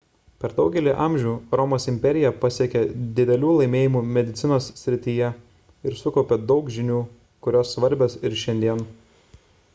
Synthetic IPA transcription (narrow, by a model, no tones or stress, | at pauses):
pʲɛɾd̪ɒʊɡʲɛlʲiːʔɑˑmʲʒʲuːɾɔmoːsɪmʲpʲɛɾʲɪjɛpɐsʲiɛkʲɛd̪ʲɪd̪ʲɛlʲuːlˠɐɪmʲeːjɪmuːmʲɛd̪ʲɪt̪sʲɪnoːsːʲɾʲɪt̪ʲiːjɛ | ɪɾsʊkɔʊpʲɛd̪ɒʊkʒʲɪnʲuː | kʊɾʲoːsːʋɐɾʲbʲɛsɪɾʃʲɛnʲd̪ʲiɛn